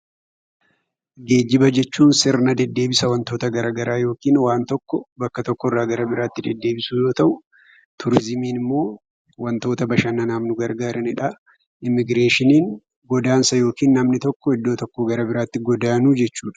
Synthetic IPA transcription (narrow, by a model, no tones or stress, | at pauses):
ɡe̞ːd͡ʒːɪbɐd͡ʒɛt͡ʃːuːnsɪɾnɐd̪ɛd̪ːe̞ːbɪsɐwɐnt̪o̞ːt̪ɐɡɐɾaːɡɐɾaːjo̞ːkiːnwaːnt̪ɔkːɔbɐkːɐt̪ɔkːɔɪrːaːɡɐɾɐbɪɾaːt̪ːɪd̪ɛd̪ːe̞ːbɪsuːjo̞ːt̪ɐʔʊ | t̪ʰʊɾɪzɪmiːnɪmːo̞ː | wɐnt̪o̞ːt̪ɐbɐʃɐnɐnaːmnʊɡɐɾɡaːɾɐnɪᶑa | ɪmːɪɡɾe̞ːʃɪniːŋ | ɡɔd̪aːnsɐjo̞ːkiːnːɐmnɪt̪ɔkːɔɪd̪ːo̞ːt̪ɔkːɔɡɐɾɐbɪɾaːt̪ːɪɡɔd̪aːnuːd͡ʒɛt͡ʃːuːᶑɐ̥